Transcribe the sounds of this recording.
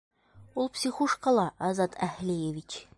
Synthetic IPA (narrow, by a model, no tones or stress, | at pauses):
ulˠpsʲiχuʃqɑlˠɑʔæzɑt̪ʰæhlʲæjevʲit͡ɕ